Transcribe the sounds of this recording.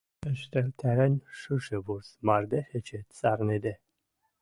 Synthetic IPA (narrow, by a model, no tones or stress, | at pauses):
ɛʃt̪ɛlt̪ʰɛɾɛnʃɨʃɛbuɾsmaɾd̪ɛxɛt͡ʃʰɛt̪t͡sʼaɾnɛd̪ɛ